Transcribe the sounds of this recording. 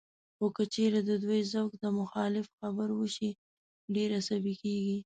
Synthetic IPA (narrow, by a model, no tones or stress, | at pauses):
xokət͡ʃeɾad̪əd̪wajzəwkd̪əmʊxɑlɪfxabəɾwəʃi | ɖeɾasabikeɡi